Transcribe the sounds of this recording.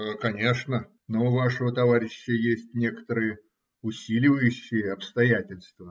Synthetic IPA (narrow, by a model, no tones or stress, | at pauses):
kɐnʲe̞ʂnə | noʊvaʂəvət̪ɐvaɾʲɪɕːəjesʲtʲnʲe̞kə̥t̪əɾɨjə | ʊsʲilʲɪvəjʉɕːɪjəɐpst̪ɐjætʲɪlʲst̪və